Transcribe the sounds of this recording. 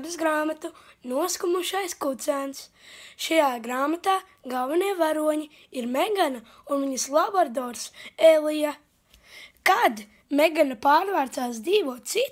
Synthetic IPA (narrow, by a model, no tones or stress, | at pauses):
d̪ɨsɡɾaːmat̪unuɔskumuʃajskut̪sæːns | ʃajaːɡɾaːmat̪aː | ɡalˠvɛniɛvaɾuɔɲi | iɾmeɡana | unviɲaslˠaboɾd̪ɔːɾselˠija | kad̪ | meɡanapaːɾvaːɾt̪saːs̬d̪ziːʋuɔt̪sit̪